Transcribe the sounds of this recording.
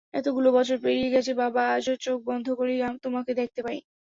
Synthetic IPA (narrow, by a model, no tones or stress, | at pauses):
ɛ̰t̪oɡulobɔt͡ɕʰoɾpeɾieɡɛt͡ɕʰebabaaʃoɾt͡ɕok̚bɔnd̪ʱokoɾijamt̪omaked̪ɛk̚t̪epaɾḭ